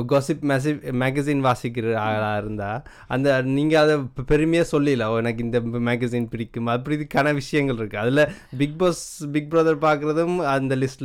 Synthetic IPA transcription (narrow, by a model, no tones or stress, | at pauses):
ɡoːsɪpmːs̬ɪmeːɡɐsiːnʋaːsɪkːɪɾɯaːlaːɪɾɯnd̪aː | ɐnd̪ɐniːŋɡɐɐðɐpɛɾɯmɐjaːsɔlːɪlɐoɛnɐkːɯɪnd̪ɐmaːɡɐsiːnpɪɽɪkːɯmɐp̬ːɐɽɪðɯkɐnɐʋɪʂɐjɐŋɡɐɭɪɾɯkːɯɐðɪlɐbɪɡ̚boːsbɪɡ̚bɾɐðɐɾpaːɾkɯɾɐðɯmɐnd̪ɐlɪsʈ